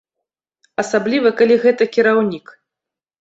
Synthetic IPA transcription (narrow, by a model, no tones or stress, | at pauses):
ɐsablʲivɐkalʲiɣɛt̪ɐkʲiɾawnʲik